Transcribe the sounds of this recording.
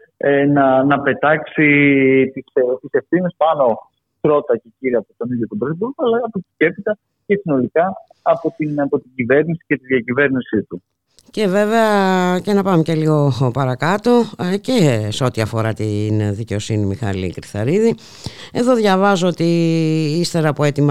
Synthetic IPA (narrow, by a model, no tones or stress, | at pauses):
enɐnɐpe̞t̪ɐksit̪ist̪ise̞fθinispɐno̞ | p̪ɾo̞t̪ɐce̞ciɾiɐpot̪o̞niðjot̪obɾoθibuɾkɐlɐɐpot̪ice̞pit̪ɐ | ce̞sino̞likɐː | po̞t̪inɐpo̞t̪iɟive̞ɾnisi̥ce̞t̪iðjɐcive̞ɾnisit̪u | ce̞ve̞ve̞ɐce̞nɐpɐmece̞liɣo̞pɐɾɐkɐt̪o̞ce̞seo̞t̪iɐfo̞ɾɐt̪inðice̞o̞sinimixɐ̰lḭkɾiθɐ̰ɾiði | e̞ðo̞ðʝɐvɐzoot̪iist̪e̞ɾɐːpoe̞t̪imɐ